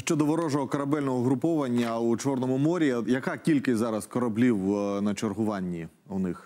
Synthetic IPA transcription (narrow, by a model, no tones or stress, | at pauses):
ʃt͡ʃɔd̪ɔʋɔɾɔʒɔɦɔkɐɾɐbɛlʲnɔɦɔɦɾʊpɔʋɐnʲːɐut͡ʃɔrnɔmʊmɔɾʲijɐkɑkʲilʲkɪzɑɾɐskɔɾɐblʲiwnɐt͡ʃɔrɦʊʋɑnʲːi | ʊnɪx